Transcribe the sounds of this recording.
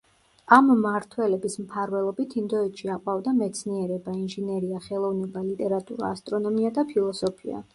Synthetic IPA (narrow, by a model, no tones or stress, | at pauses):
amːaɾt̪ʰwɛlɛbismpʰaɾvɛlˠɔbit̪ʰind̪ɔɛt̪ʃiaqʼwavd̪amɛt̪sʰniɛɾɛbainʒinɛɾiaχɛlˠɔvnɛbalit̪ʼɛɾat̪ʼṵɾa̰ːst̪ʼɾɔnɔmiad̪apʰilˠɔsɔpʰḭa̰